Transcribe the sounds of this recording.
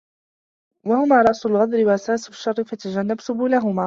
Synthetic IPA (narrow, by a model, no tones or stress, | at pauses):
wahʊmaːɾˤɑʔsʊlɣɑd̪ˤɾɪwaʔasaːsʃːɑrˤːɪfat̪ad͡ʒanːabsʊbuːlaɦʊmaː